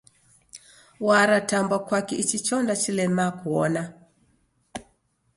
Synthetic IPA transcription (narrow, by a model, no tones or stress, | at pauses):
waɾatambwakwakɛit͡ʃit͡ʃɔndat͡ʃilɛmakuɔna